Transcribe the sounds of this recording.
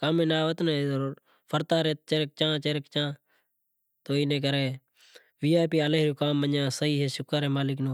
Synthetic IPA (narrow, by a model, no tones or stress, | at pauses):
kaːmẽːnaːʋət̪nəɾ | pʰəɾt̪aːɾeːt̪t͡ʃeɾk̚t͡ʃãːt͡ʃeɾkt͡ʃãː | t̪oːiːnẽːk̬əɾeː | ʋiːaːpiːəleːɦɾuːkaːmːəɲjãːsəɦiːɦeːʃʊkəɾeːmaːlɪknoː